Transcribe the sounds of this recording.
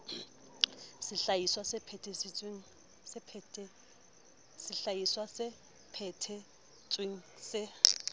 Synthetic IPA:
sɪɬajiswasɪpʰɛtʰesɪt͡sʼweŋ̩ | sɪpʰɛtʰʼɛ | sɪɬajiswasɪ | pʰɛtʰɛ | t͡sʼweŋ̩sɪ

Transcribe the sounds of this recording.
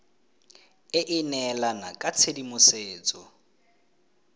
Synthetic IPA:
ɪʔɪnɛlanakʼat͡sʰedimʊseːt͡sʼɔ

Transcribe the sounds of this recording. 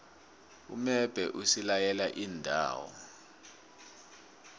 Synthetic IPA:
ṵmɛb̥ʱɛʔusilajɛlaʔiːndʱa̰ːwɔ̰

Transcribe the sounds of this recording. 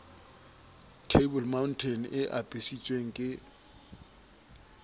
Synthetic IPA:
tʰebɔlmawntʰɛnɪʔabʼesit͡sʼweŋ̩kʼɪ

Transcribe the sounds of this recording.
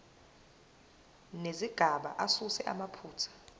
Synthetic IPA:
neziɡ̥ʱaɓa̰ʔasusɛʔa̰mapʰuːt͡sʰḁ

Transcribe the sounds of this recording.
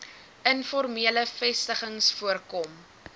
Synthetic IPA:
ənfɔrmiələfɛstəχəŋsfuərkɔm

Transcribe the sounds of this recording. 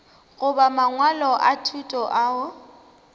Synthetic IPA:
ɣʊbamaŋwalɔʔatʰutʼɔʔaʊ

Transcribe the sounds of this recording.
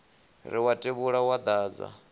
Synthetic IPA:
ɾiwatʼeβuɺawad̪aːd͡za̰

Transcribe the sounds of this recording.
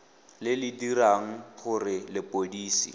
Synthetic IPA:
lɪlɪdiɾaŋ̩χʊrɪlɪpʼodiːsḭ

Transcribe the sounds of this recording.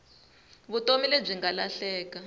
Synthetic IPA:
βutomileb͡ʐiŋɡalaɬɛːka

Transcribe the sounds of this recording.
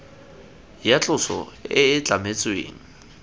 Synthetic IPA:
jat͡ɬʼʊsɔ̰ɪɪt͡ɬʼamet͡sʼwḛːŋ̩

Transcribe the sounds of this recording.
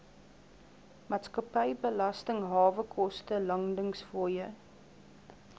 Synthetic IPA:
mɑːtskɐpəjbəlɐstəŋɦɑːvəkʰɔstəlɐŋdəŋsfuəjə

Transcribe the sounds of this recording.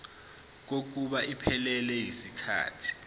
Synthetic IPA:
k̬ok̬uɓaʔipʰɛlɛlɛɦisikʰa̰ːtʰi̥

